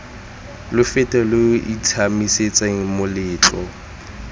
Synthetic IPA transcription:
lʊfɪtʼɛlʊitʰamiset͡sʼaŋ̩mʊlɪːt͡ɬʼɔ

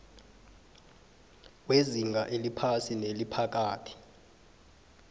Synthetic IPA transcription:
kweziŋɡʱaʔelipʰasinelipʰak̬aːtʰi̥

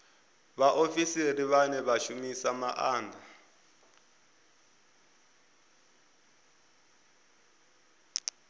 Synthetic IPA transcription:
βaʔofisiriβanɛβaʃumisamaʔaːndʱa

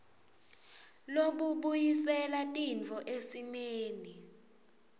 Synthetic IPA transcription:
loɓuɓujisɛlatʼint͡fɔʔesimeːni

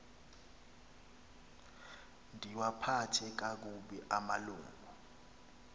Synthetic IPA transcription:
ndʱiwapʰatʰɛk̬ak̬uɓɛʔamaluːŋɡʱu

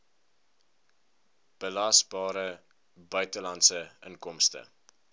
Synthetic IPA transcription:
b̥əlɐsbɑːɾə | bœɥtəlɐntsəʔəŋkɔmstə̰

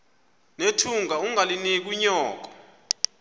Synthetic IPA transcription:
netʰuŋauŋalinek̬uɲɔːk̬ɔ̥

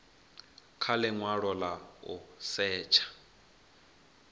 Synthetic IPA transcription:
kʰalɛŋwaɺɔlaʊ̰sɛːt͡ʃʰḁ

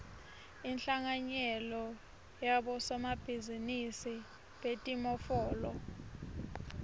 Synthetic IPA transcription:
inɬaŋaɲɛlɔ | jaɓɔsɔmab̥ʱizinisi | ɓetʼimɔfɔːlɔ̰

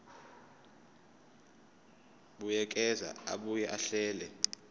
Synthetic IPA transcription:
ɓujɛk̬ʼɛza̰a̰ɓujɛʔaɬɛːlɛ

